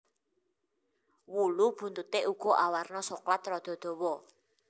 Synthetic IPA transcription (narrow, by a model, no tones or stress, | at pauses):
wulub̥ṳnt̪ut̪eʔuɡ̥ɔ̤ʔawarnɔsoklat̪ɾɔd̪̥ɔ̤d̪̥o̤wɔ